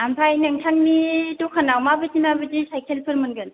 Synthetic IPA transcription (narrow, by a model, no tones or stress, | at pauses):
ampʰajnɯŋtʰaŋnidukʰanawmabɯtimabɯzisajkʰelpʰɯɾmɯnɡɯn